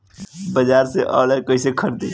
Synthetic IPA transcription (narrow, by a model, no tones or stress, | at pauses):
bəd͡ʒaːɾseʔɔ̰ːləkəisekʰəɾt̪e